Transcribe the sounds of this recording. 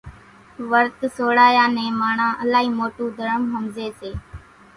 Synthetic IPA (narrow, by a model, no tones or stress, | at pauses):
ʋəɾt̪soːɽaːjãːnẽːmaːɳãːʔəlaːɦiːmoːʈũːd̪ʱəɾəmɦəmzeːseː